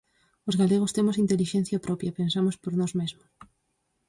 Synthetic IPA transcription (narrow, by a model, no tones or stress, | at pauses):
ozɣaleɣ̞ost̪emosint̪eliʃẽn̟θjɐpɾɔpjɐpensamospoɾnɔzmezmʊs